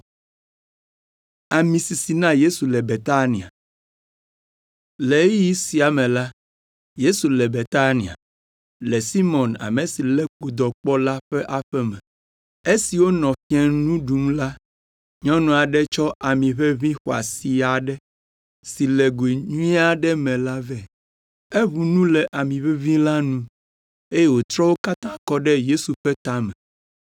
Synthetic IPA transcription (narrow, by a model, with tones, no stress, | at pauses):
a˨mĩ˨si˨si˨nã˦je˦su˨lɛ˨be˨t̪a˦nĩ˨a̰˨ | le˨˦ji˦si˨a˨mɛ̃˨la˦ | je˦su˨lɛ˨be˨t̪a˦nĩ˨a̰˨ | lɛ˨si˦mɔ̃˨na̰˨me˨si˨lɛ˦ku˨d̪ɔ˨k͡pɔ˦la˦ɸɛ˦ʔa˦ɸɛ˦mɛ̃˨ | e˦si˨wo˦nɔ̃˨fi˦ɛ˦nũ˦ɖu˨˦mla˦ | ɲɔ̃˦nũ˦˨a˨ɖɛ˦t͡ʃɔ˦ʔa˨mĩ˨ɸɛ˦vĩ˦xo˨a̰˨si˨a˨ɖɛ˦ | si˨lɛ˨ɡe˨ɲũ˦i˦a˦ɖɛ˦mɛ̃˨la˦vɛ˨ | e˦βu˨nũ˦lɛ˨ʔa˨mĩ˨ɸɛ˦vĩ˦la˦nũ˦ | e˦jɛ˦wo˨t̪ɾɔ˦wo˦ka˦t̪ã˦kɔ˦ɖɛ˦je˦su˨ɸɛ˦t̪a˦mɛ˨